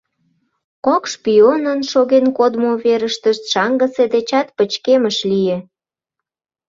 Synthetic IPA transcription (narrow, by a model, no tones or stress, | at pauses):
kokʃpionənʃoɣenkod̪moβeɾəʃt̪əʃt̪ʃɑŋɡəsed̪et͡ɕɑt̪̚pət͡ɕkeməʃlije